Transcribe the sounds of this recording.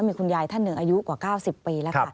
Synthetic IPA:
miː˧kʰu˧njaː˧jt̪ʰa˥˩nːɯ˨˩ŋʔaː˧ju˦˥kwaː˨˩kaː˥˩wsi˨˩pːiː˧lɛ˦˥kʰ

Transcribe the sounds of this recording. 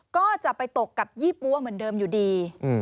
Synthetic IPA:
kɔː˥˩t͡ɕa˨˩ʔpa˧jt̪o˨˩kːa˨˩p̚jiː˥˩pːu˧˥ɐmɯ˨˩˦ndɤː˧mjuː˨˩diː˧

